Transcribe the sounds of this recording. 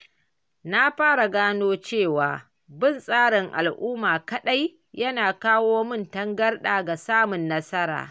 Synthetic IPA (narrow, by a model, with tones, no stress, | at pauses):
na˦ɸaː˦ɽa˨ɡaː˦noː˦t͡ʃeː˦˨waː˨ | bɪ˦˨nsʼaː˦ɽɪ˨ŋʔa̰˨lʔuː˦maː˨kɐ˦ɗa˦j | jɐ˦naː˨kaː˦woː˦mɪ˦˨ntɐ˦ŋɡɐ˦rɗaː˨ɡa˨saː˦mʊ˨nːɐ˦sɐ˦ɾa̰ː˨